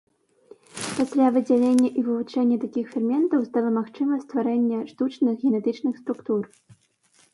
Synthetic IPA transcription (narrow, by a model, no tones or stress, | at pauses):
pasʲlʲavɨd͡zʲalʲenʲːɐʔivɨvut͡ʂɛnʲːɐt̪akʲixfʲɛrmʲɛnt̪ɐwst̪alˠɐmaxt͡ʂɨmɐsʲst̪vaɾɛnʲːɐʂt̪ut͡ʂnɨxɣʲɛnɛt̪ɨt͡ʂnɨxst̪ɾukt̪ur